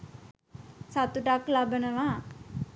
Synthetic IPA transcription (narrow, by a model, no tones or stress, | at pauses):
sat̪uʈaklabənəʋaː